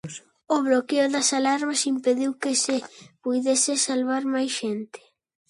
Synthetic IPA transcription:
ʊβlokeʊðɐsalaɾβasimpeðiwkɪsɪpujðesɪsalβ̞aɾmajsʃent̪ɪ̥

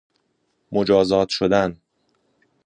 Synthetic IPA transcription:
mod͡ʒɒːzɒːt̪ʰʃod̪æn

